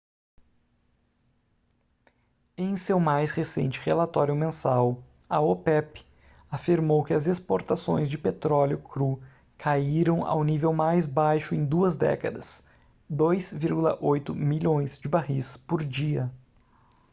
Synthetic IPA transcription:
ẽj̃sewmajshesḛ̃nt͡ʃɪ̥ʁelat̪ɔɾjʊmẽsaw | ɐopɛpɪ | afiɾmowkɪɐzespoɾt̪asõ̰j̃zd͡ʒɪpet̪ɾɔljʊkɾu | kʰaiɾɐ̃w̃a̰wnivewmajzbajʃʊẽj̃d̪uɐzd̪ɛ̰kɐd̪ɐs | d̪ojzviɾɡulɐ̰ʔojt̪ʊmiʎõj̃zd͡ʒɪbahispoɾd͡ʒiɐ

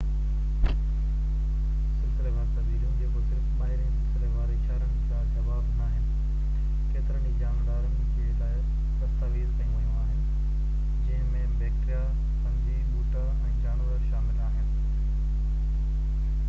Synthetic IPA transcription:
sɪlsɪlemãːnt̪ɐziːd̪jũnd͡ʑeːbʊzɾɪtɓaːɦɪɾĩsɪlsɪleʋaːɾit͡ʃʰaːɾənɪ̆kãd͡ʑɐʋaːbnaːɦɪnɪ̆ | keːt̪ɪɾəɳid͡ʑaːnd̪aːɾənd͡ʑeːlaːɦɪ | t̪ɐt̪aʋiːzkɐjũʋɐjũaːɦɪnɪ̆ | d͡ʑɪ̃ɦmẽbeːkʈija | kɐ̃nd̪ibuːʈʰa | ɛ̃ːd͡ʑaːnʋəɾʃaːmɪlaːɦɪnɪ̆

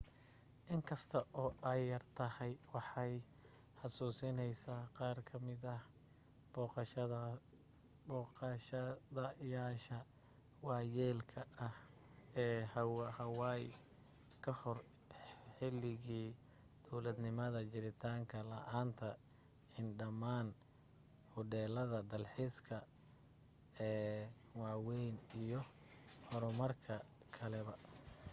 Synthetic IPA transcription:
ʔɪŋkʰɐst̪ʰɐʔɔːʔɐjːɐrt̪ʰɐhɛjwɑħɑj | ħɑsuːsɪnɛjsaːqɑːrkʰɐmɪðɐ | b̥ɔːqɑʃɐɐ | bɔːqɑʃɐðɐjaːʃɐ | wɑːjɛːlkʰɐɐh | ɛːhwhɐwɑj | kʰɐhɔr | ħɪlɪɣiː | d̪̥ɔwlɐd̪nɪmɐðɐt͡ʃɪɾɪt̪ʰaːŋkʰɐlɐʔaːnt̪ʰɐ | ɪnɖɐmaːn | hʊdɛːlɐðɐd̪ɐlħiːskʰɐ | ɛː | wɑːwɛjnijɔ | ħɔɾʊmɐrkʰɐ | kʰɐlɛβɐ

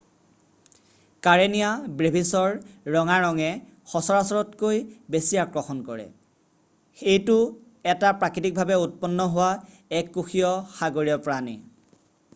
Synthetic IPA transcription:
kaɹenijabɹebʱisɔɹːɔŋaɹɔŋɛ | xɔsɔɹasɔɹɔtkojbesijakɹɔxɔnkɔɹɛ̰ | xejtʊ | ɛtapɹakitik̚bʱabɛut̚pɔnːɔɦʊwa | ɛkːuxijɔxaɡoɹijɔpɹanḭ

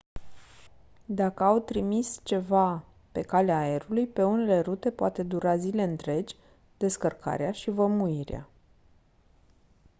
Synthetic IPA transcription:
d̪akəawt̪ɾimist͡ʃe̞va | pe̞kaleaːe̞ɾulujpe̞une̞le̞ɾut̪e̞poat̪e̞d̪uɾazile̞ɨnt̪ɾe̞d͡ʒʲ | d̪e̞skərkʰa̰ɾeaʃivəmuiɾea̰

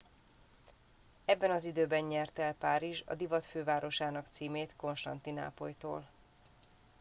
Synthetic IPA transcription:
ɛbːɛnɒzid̪øːbɛnɲɛrt̪ɛlpaːɾiʒɒ̰d̪ivɒt̪føːvaːɾo̞ʃaːnɒkt̪siːmeːt̪ko̞nʃt̪ɒnt̪ina̰ːpo̞̰jt̪o̰ːl

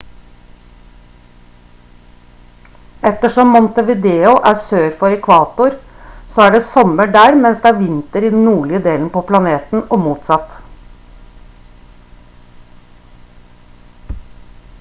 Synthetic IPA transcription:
ɛt̪əʂɔmːɔnt̪əʋɪd̪eːʊʔæːsøːɾfɔɾɛkʰʋɑːt̪ʊɾ | soːæːɖeːsɔməɖæːɽmɛnsd̪ɛæːʋɪnt̪əɾiːd̪n̩nuːɭɪəd̪eːln̩əpoːpʰlɑneːt̪n̩ɔmuːt̪sɑt̪

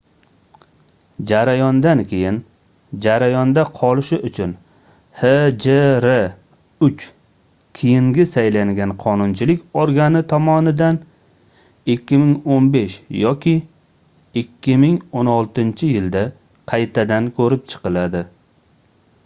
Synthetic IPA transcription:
d͡ʒaɾajɒnd̪ankʲʰe̞jɪn | d͡ʒaɾajɒnd̪aqʰɒlɪʃɪʔʊt͡ʃʰʊn | hed͡ʒeɾe | ʊt͡ʃ | kʲʰejɪŋɡʲɪsajlaŋɡʲanqʰɒnʊnt͡ʃʰɪlɪkʲoɾɡanɪt̪ʰɒmɒnɪd̪an | ɪkʲʰːɪmɪŋonbe̞ʃjɒkʲɪ | ɪkʲʰːɪmɪŋonɒlˠt̪ɪnt͡ʃʰɪjɪld̪a | qʰɑjt̪ʰad̪ankʲʰɵɾɪp̚t͡ʃʰɨ̥qɨlad̪ɪ

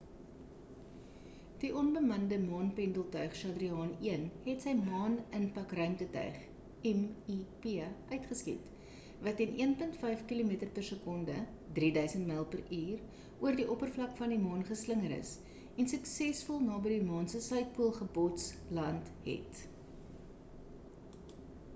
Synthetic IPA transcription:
d̥iʔɔnbəmɐndəmɑːnpɛndəlˠtœɥχʃɑdriɑːniənɦɛtsəjmɑːnənpɐkrœɥmtətœ̰ɥχ | ɛmipiʔœɥtχəskḭt | vɐtːɛniənpəntfɛjfkilumiətərpərsəkɔndə | dridœɥsəntməlˠpərʔiːr | uərdiʔɔpərflɐkfɐndimɑːnχəsləŋəɾə̰s | ɛnsəksɛsfɔlˠnɑːbədimɑːnsəsœɥt̚puəlˠχəbɔts | lɐntɦɛ̰t

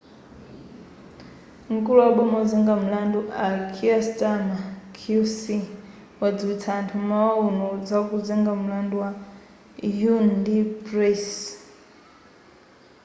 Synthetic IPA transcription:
ŋ̩kuluwaɓɔmad͡zɛŋɡam̩landuʔakʰiastamakʰusi | wad͡ziwit͡sʰaːntʰumawaunud͡zakuzɛŋɡam̩landuwa | jundiprɛs

